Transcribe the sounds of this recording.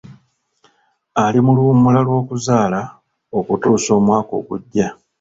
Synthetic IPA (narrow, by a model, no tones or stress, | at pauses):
alimulumulalwo̞ːkuzaːla | o̞kutuːso̞ːmwaːko̞̰ːkuɟːa